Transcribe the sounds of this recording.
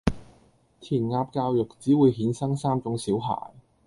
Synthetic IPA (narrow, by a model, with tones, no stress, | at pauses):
t̪ʰiː˨˩nŋaː˧p̚kaː˧wjʊ˨k̚t͡siː˨˥wuː˨˧jɦiː˨˥nsɐ˥ŋsaː˥mt͡sʊ˨˥ŋsiː˨˥wɦa̰ː˨˩j